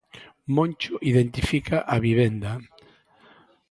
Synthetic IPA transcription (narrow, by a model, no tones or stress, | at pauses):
mõnt͡ʃoʔiðent̪ifikaʔaβiβ̞end̪a